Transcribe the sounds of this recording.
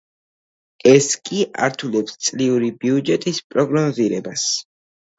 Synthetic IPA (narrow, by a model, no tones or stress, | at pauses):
ɛskʼiʔa̰ɾt̪ʰulɛpst̪sʼliuɾibiud͡ʒɛt̪ʼispʼɾɔɡnɔziɾɛbas